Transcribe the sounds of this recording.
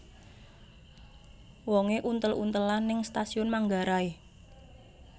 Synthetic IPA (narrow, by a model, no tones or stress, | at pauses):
wɔŋeʔunt̪əlṵnt̪əlanɪŋst̪asiʊnmaŋɡaɾae